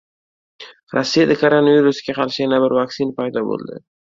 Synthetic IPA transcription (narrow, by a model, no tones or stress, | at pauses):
ɾasːijad̪akʰoɾonaviɾusɡʲaqʰɑɾʃɪjanabɪɾvaksɪnpajd̪ɒbo̰lˠd̪ɪ̰